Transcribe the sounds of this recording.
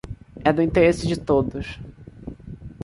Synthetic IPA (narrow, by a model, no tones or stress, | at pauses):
ɛd̪ʊĩnt̪eɾesɪd͡ʒɪt̪od̪ʊs